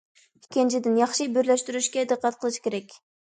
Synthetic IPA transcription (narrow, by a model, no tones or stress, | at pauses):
kʲʰend͡ʒʰid̪ɪnjɑχʃɨbyɾleʃt̪yɾyʃkʲed̪ɨqɑt̪̚qʰəlˠɨʃɨ̥kʲeɾɛkʲ